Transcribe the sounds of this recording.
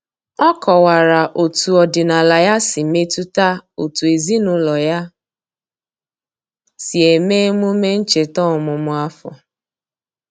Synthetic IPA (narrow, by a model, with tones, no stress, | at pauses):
ɔ˦kɔ˨wa˨ɾa˨ʔo˨tu˨ɔ˨dɪ˨na˨la˨ja˦sɪ˨me˦tu˦ta˦o˨tu˨e˨zi˦nʊ˨˦lɔ˨ja˦ | si˨e˨meː˦mu˦me˦n̩˦t͡ʃe˨tɔ˦˨mʊ˨mʊ˨a˦fɔ̰˨